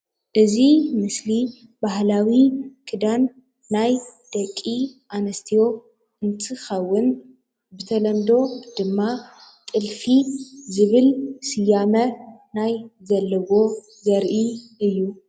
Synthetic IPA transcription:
ʔɨzimɨsli | bahlawikʰɨd̪anː | ajd̪̥ɐkʼːiʔanɐst̪ʰijo̞ | ɨnt̪ʰɨxɐwːʊn | bɨt̪ʰɐlɐmd̪o̞d̪̥ɨmːat̪ʼɨlfizɨβɨlsɨjamɐnajzɐlːɐβo̞ | zɐɾʔiʔɨjːu

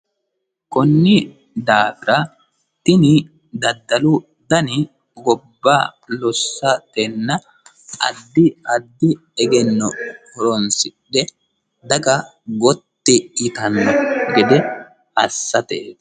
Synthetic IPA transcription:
kɔnːɪ | d̪aːɡɪɾɐ | t̪ɪnɪ | d̪ɐd̪ːɐlʊ | d̪ɐnɪ | ɡɔbːaːlɔsːɐt̪ɛnːɐ | ʔɐ̰d̪ːɪɐd̪ːɪ | ɛɡɛnːɔkɔɾɔnsɪɗɛ | d̪ɐɡɐ | ɡɔt̪ːɪɪt̪ɐnːɔɡɛd̪ɛ | ɐsːɐt̪eː

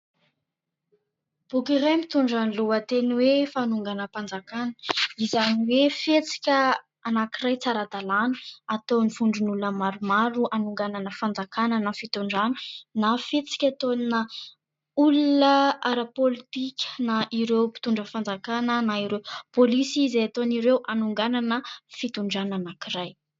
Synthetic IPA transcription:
b̥ukiɾajmit̪uɳɖ͡ʐənluət̪eniwefanuŋɡanəpand͡zakanə̥izaniwefet͡si̥kʲə | anakiɾajt͡saɾad̪alanə̥at̪oniv̥uɳɖ͡ʐunulnəmaɾumaɾuʔanuŋɡananəfand͡zakanənafit̪uɳɖ͡ʐanə̥nafet͡si̥kʲat̪onnə | ulunəaɾapolit̪ikʲə̥naʔiɾewpi̥t̪uɳɖ͡ʐəfand͡zakanənaiɾewpolisizeat̪oniɾewʔanuŋɡananəfit̪uɳɖ͡ʐananakiɾaj

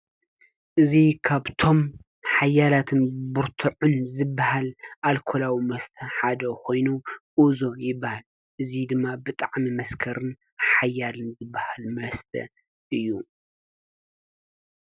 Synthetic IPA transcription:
ʔɨzikʰaβt̪ʰo̞m | ħajalat̪ʰɨnbuɾt̪ʰuʕʊnzɨbːahalʔalkʰolawimɐst̪ʰɐħad̪ɐkʰo̞jnuʔuzo̞jɪbːahal | ʔɨzid̪ɨmːabɨt̪ʼaʕmimɐskʰɐɾɨn | ħajːalɨnzɨbːahalmɐst̪ʰɐ̰ | ʔɨjːu

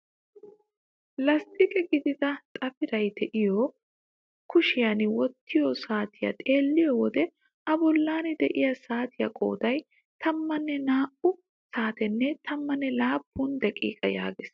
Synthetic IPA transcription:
lɐst̪ɪkʼɛɡɪd̪ɪd̪ɐt̪ʼɐfɪɾɐjt̪ɛʔɪjo | kʊʃɪjɐnwɔt̪ːɪjɔsaːt̪ɪjɐ̰t̪ʼe̞ːlːɪjɔwɔd̪ɛ | ɐbɔlːaːnɪd̪ɛʔɪjɐsaːt̪ɪjɐ̰kʼo̞̰ːd̪ɐj | t̪ʰɐmːɐnːɛnaːʔʊ | saːt̪ɛnːɛt̪ʰɐmːɐnːɛlaːpːuːnd̪ɛkʼḭːkʼɐja̰ːɡɪs

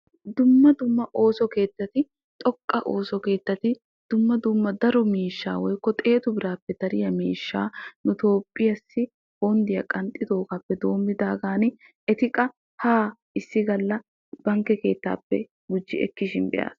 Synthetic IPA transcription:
d̪ʊmːɐd̪ʊmːɐʔo̞ːsɔke̞ːt̪ːɐt̪ɪ | t̪ʼɔkʼːɐʔo̞ːsɔke̞ːt̪ːɐt̪ɪ | d̪̥ʊmːɐd̪ʊmːɐd̪ɐɾɔmiːʃːa̰ːwɔjkːɔt̪ʼe̞ːt̪ʊbɪɾaːpːɛd̪̥ɐɾɪjɐmḭːʃːaːnʊt̪o̞ːpʼːɪjɐsːɪ | hoːnd̪ɪjɐkʼɐnt̪ʼːɪd̪o̞ːkapːɛd̪o̞ːmːɪd̪aːɡaːnɪ | ɛt̪ɪkʼɐ | haː | ɪsːɪɡɐlːɐ | b̥ɐŋkːɛke̞ːt̪ːa̰ːpːɛ̰ | ɡʊd͡ʒːɪɛ̰kːɪʃɪnbɛ̰ja̰ːs

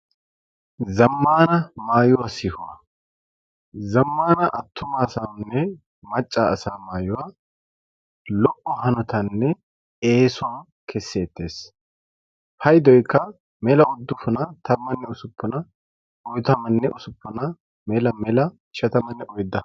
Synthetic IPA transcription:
zɐmːaːnɐmaːjʊwaːsɪhʊwa̰ | zɐmːaːnɐʔɐt̪ʰːʊmɐːsaːnːɛ | mɐt͡ʃʼːaɐsaːmaːjʊwaː | lɔʔʼːɔhɐnɔt̪ɐnːɛ | eːsʊwaː | kʰɛsːeːt̪ːe̞ːs | hɐjd̪ɔjkːɐ | mɛlɐʊd̪ːʊfʊnɐt̪ʰɐbːɐnːɛʊsʊpːʊnɐ | ɔjt̪ɐmɐnːɛʔʊsʊpːʊnɐ | mɛlɐmɛlɐ | ʃɐt̪ɐmɐnːɛʔɔjd̪ɐ

